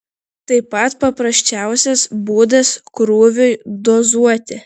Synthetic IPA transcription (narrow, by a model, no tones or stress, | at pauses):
t̪ɐɪpɐt̪pɐpɾɐsʲt͡ʃʲæˑʊsʲɛsbuːd̪ɐskɾuːʋʲʊjd̪ɔzuɔt̪ʲɪ